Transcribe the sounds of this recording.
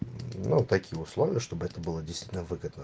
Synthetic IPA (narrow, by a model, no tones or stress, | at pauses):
nut̪ɐkʲijəʊslˠovʲɪjəʂt̪obɨɛt̪əbɨlˠədʲɪjst̪vitʲnəvɨɡəd̪nə